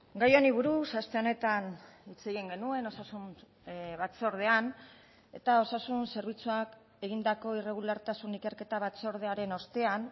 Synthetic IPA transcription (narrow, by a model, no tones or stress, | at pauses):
ɡajo̞niβuɾusast̪e̞one̞t̪an | it͡se̞ɣiŋɡe̞nue̞no̞sasun | βat͡so̞ɾð̞e̞an | e̞̰t̪ao̞sasunse̞ɾβ̞it͡suak | e̞ɣind̪ako̞ire̞ɣ̞ulaɾt̪asunike̞ɾke̞t̪aβat͡so̞ɾðe̞aɾe̞no̞st̪e̞an